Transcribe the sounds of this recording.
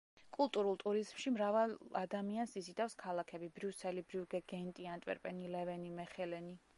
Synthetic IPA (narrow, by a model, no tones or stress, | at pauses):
kʼulˠt̪ʼuɾulˠt̪ʼuɾizmʃimɾavalad̪amiansizid̪afskʰalakʰɛbibɾusɛlibɾuuɡɛɡɛnt̪ʼiant̪ʼvɛ̰ɾpʼɛnilɛvɛnimɛχɛlɛni